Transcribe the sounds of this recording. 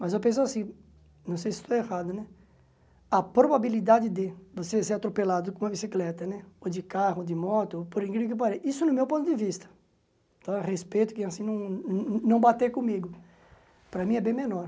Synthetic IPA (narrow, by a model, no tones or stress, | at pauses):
mɐzewpẽsoasĩ | nɐ̃w̃s̬ejsɪ̥st̪oehad̪ʊnɛ | ɐpɾobabilid̪ad͡ʒɪd̪ɪvoseseɾat̪ɾopelad̪ʊkõũmɐbisiklɛt̪ɐnɛod͡ʒ̪ɪkahʊod̪ɪmɔt̪ʊopoɾĩkɾiʊk̬ɪpaɾejʔisʊnʊmewpõt̪ʊd̪ɪvist̪ɐ̥ | t̪õʁespejt̪ʊ̥kɪ̃asĩnɐ̃w̃nɐ̃w̃bat̪ekõmiɡʊ | pɾɐmĩɛbẽj̃mẽnɔɾ